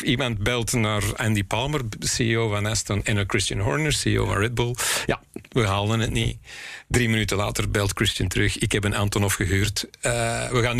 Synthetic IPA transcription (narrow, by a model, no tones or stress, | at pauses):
imɑnt̚bɛlˠtnaːrandipɑlˠmərsiioːvanastənɛnəkɹɪstənɦɔɹnəɹsio̰ːva̰nrɛd̚bulˠja̰ | ʋəɦaːlˠənətnḭdɾiːmənytəla̰ːtərbɛlˠtkɹɪstəntəɾɵxɪkhɛpənaːntɔnɔfxəɦyːrtː | ʋəɣaːn